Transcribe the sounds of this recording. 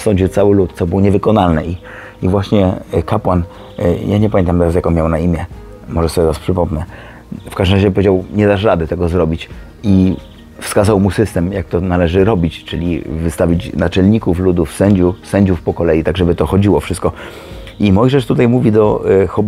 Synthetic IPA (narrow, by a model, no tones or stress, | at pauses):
sɔ̃ɲd͡ʑiwt̪sawɘlut̪t̪sɔbuwɲɛvɘkɔnalnɛi | ivwaɕɲɛkapwan | jaɲɛpamʲɛnt̪amt̪ɛɾasjakɔ̃nmʲjawnaimʲjɛ | mɔʐɛsɔbʲɛt̪ɛɾaspʂɘpɔmnɛ | fkaʐd̪ɘmɾaʑɛp̬ɔvʲed͡ʑawɲɛd̪aʂɾad̪ɘt̪ɛɡɔzɾɔbʲit͡ɕ | i | fskazawmusɘst̪ɛmjak̚t̪ɔnalɛʐɘɾɔbʲit͡ɕt͡ʂɘlʲḭvɘst̪avʲit͡ɕnat͡ʂɛlɲikuflud̪ufsɛɲd͡ʑusɛɲd͡ʑufpɔkɔlɛjit̪aɡʐɛbɘt̪ɔxɔd͡ʑiwɔfʂɘst̪kɔ | ʔimɔjʐɛʂt̪ut̪ajmuvʲid̪ɔxɔb